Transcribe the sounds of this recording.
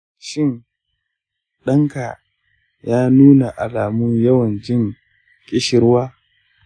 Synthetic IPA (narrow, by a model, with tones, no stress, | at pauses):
ʃɪ˦n | ɗɐ˦ŋka˨ | jaː˦nuː˦na˨ʔa˨laː˨mʊ˦ɲjɐ˦wɐ˨nd͡ʒɪ˦ŋ | kʲʼɪ˦ʃɪ˨ɾwaː˦